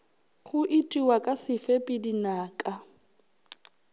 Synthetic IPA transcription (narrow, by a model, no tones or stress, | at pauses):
χʊʔɪtʼiwakʼasɪfepʼɪdinaːkʼa